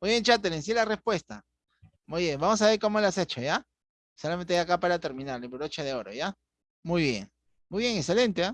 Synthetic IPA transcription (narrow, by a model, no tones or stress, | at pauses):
mujβje̞nt͡ʃat̪̬elens̬ielare̞spwe̞st̪a̰ | mujβjeŋbamo̞s̬aβe̞ɾko̞molaset͡ʃoja | solament̪ejakapaɾat̪e̞ɾmĩnaɾlepoɾot͡ʃaðeo̞ɾo̞̰ja | mujβje̞̰ŋ | mujβje̞ŋekse̞le̞nt̪ea